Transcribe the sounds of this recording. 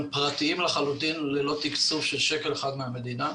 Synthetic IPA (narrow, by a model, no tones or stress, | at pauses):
mpʁat̪iimlaχalut̪inlelo̞t̪ikt͡sufʃelʃe̞keleχad̪meame̞d̪ina